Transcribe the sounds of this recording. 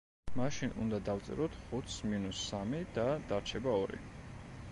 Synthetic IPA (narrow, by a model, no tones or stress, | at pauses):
maʃinṵnd̪ad̪aft̪sʼɛ̰ɾɔt̪ʰχut̪sminusːamid̪ad̪aɾt͡ʃʰɛbaɔɾḭ